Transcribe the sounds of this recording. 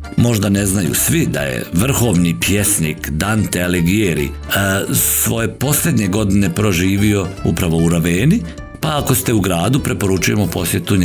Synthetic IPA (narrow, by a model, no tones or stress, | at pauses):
mo̞ʒd̪ane̞znajṵsʋid̪a̰jḛʋr̩xo̞ːʋnipje̞snḭkd̪ant̪ealeɡijeɾḭ | sʋo̞je̞po̞slʲe̞d̪ɲe̞ɡo̞d̪ine̞pɾo̞ʒiːʋio̞upɾaʋo̞uɾoʋeːni | paːko̞st̪e̞uɡɾaːd̪upɾe̞po̞ɾut͡ʃuje̞mo̞po̞sje̞t̪uɲ